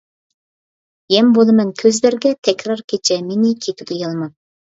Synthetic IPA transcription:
jɛmbolˠɨmɛŋkʲʰøzlɪɾɡʲɛt̪ʰɛkʲɾɑɾkʲʰet͡ʃʰɛmenɪkʲʰet̪ʰyɡʲejɑlˠmɑn

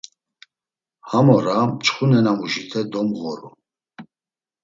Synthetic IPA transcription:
hamɔɾamt͡ʃʼχunɛnamuʒit̪ʰɛd̪ɔmɣɔɾṵ

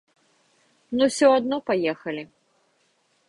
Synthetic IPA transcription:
nusʲɔad̪̚nɔpajɛxɐlʲi

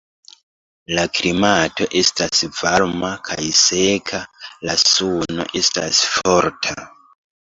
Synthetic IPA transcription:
lakɾimatoʔestasvaɾmakʰajsekʰalasuno̰ʔesta̰sfoɾtʰa

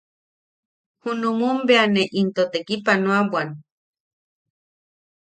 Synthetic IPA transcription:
hunumumbeaneʔint̪ot̪ekipanoawan

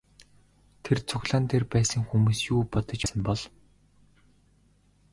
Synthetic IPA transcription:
t̪ʰert͡sʰʊxɮaːnt̪ʰerpæːsə̆ŋxumuːsjuːpɔt̪ə̆t͡ɕasə̆mpɔɮ

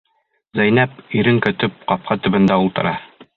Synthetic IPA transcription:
zæjn̪æpiɾɘŋkɵ̆t̪ɵp̚qɒp̚qʰɑt̪ɵ̆bɘ̆nd̪æulˠt̪ɤ̆ɾɑ

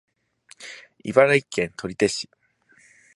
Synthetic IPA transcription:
ibaɾaikːẽ̞nt̪ʰo̞ɾʲit̪e̞ɕi̥

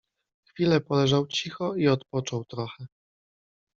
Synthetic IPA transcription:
xfʲilɛpɔlɛʐawt͡ɕixɔiɔt̪pɔt͡ʂɔwt̪ɾɔxɛ

